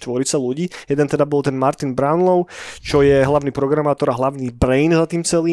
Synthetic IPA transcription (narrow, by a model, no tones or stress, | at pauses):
t̪ʋɔɾit͡saluɟiːjɛd̪ɛnt̪ɛd̪abɔlˠt̪ɛnmaɾt̪inbɾaʊnlɔʊt͡ʃɔjɛɦlaʊniːpɾɔɡɾamaːt̪ɔɾaɦlaʊnibɾɛjnzat̪iːmt͡sɛliː